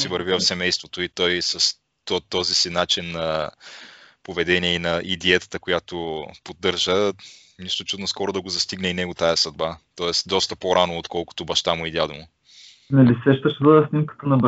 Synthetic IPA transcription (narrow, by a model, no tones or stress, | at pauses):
sivɐɾvivɐfsɛmɛjst̪vot̪ʊit̪ɔjsɐs | ɔt̪ːɔzisinat͡ʃinːɐ | povɛd̪ɛniɛinɐʔid̪iɛt̪ə̥t̪əkʊjat̪opod̪ːɤɾʒə | nist̪ʊt͡ʃud̪noskɔɾʊd̪ɐɡozɐst̪iɡnɛinɛɡʊt̪ajɐsɐd̪̚bat̪ɔɛst̪d̪ɔst̪əpoɾanoːt̪kɔlˠkʊ̥t̪ʊbɐʃt̪amʊid̪ʲad̪omʊ | nɐlisɛʃt̪əʃd̪ad̪snimkə̥t̪ənɐb